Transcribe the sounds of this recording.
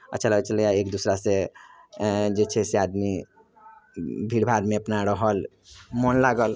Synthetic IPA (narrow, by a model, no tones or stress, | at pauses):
ə̰tːʃʰaləɡet͡ʃəljaekd̪usɾase | d͡ʒet͡ʃʰɛsead̪mi | bʱiɽbʱaɾmẽəpnaɾəɦəl | monlaɡəl